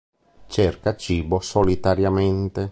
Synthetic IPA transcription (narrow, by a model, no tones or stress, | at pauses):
t͡ʃɛrkat͡ʃiːbosolit̪aɾjament̪e